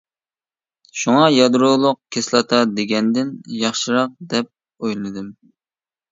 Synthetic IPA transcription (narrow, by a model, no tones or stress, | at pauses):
ʃuŋɑjɑd̪ɾolˠʊq̚kʲʰeslˠɑt̪ʰɑd̪eɡʲɛnd̪ɪnjɑχʃɨɾɑq̚d̪ɛp̚ | ojlˠɨnɨd̪ɨm